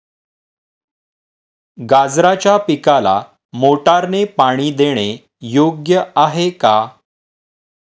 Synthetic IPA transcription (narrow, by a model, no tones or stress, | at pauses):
ɡad͡zɾat͡ɕjapikala̰ | moʈaɾnepaɽ̃iːd̪eɽ̃e | joɡjəaɦeka